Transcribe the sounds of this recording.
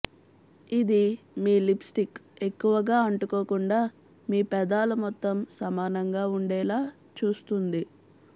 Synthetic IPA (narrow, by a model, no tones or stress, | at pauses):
id̪i | miːlipsʈike̞kːuʋɐɡaːɐɳʈukoːkuɳɖaː | miːpɛd̪aːlɐmɔt̪ːɐmsɐmaːnɐŋɡaːuɳɖɛːlaː | t͡ʃuːst̪und̪i